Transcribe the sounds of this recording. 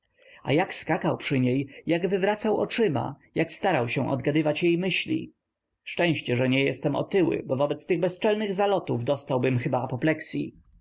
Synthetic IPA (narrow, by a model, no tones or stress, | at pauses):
a̰jakskakawpʂɘɲejjaɡvɘvɾat̪sawɔ̰t͡ʂɘma̰ | jakst̪aɾawɕɛ̃ʔɔ̰d̪ɡad̪ɘvat͡ɕjejmɘɕlʲḭ | ʂt͡ʂɛ̃w̃ɕt͡ɕɛʐɛɲɛjɛst̪ɛmɔ̰t̪ɘwɘ̰bɔvɔbɛt̪st̪ɘɣbɛst͡ʂɛlnɘɣzalɔt̪uvd̪ɔst̪awbɘmxɘbaːpɔplɛksʲḭ